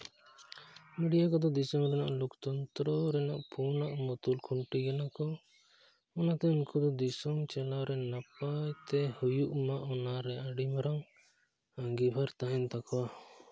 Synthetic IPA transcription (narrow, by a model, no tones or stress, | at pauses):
miɖijakɔd̪ɔd̪isɔmɾɛnaʔlɔkt̪ɔnt̪ɾɔɾɛnaʔpʰunaʔmɔt̪ulkʰuɳʈiɡɛnakɔ | ɔnat̪ɛunkʰɔd̪ɔd̪isɔmt͡ʃɛlawɾɛnapajt̪ɛhujuʔmaʔɔnaɾɛaɖimɾaŋ | aŋɡibʱaɾt̪aɦɛnt̪akʰɔwa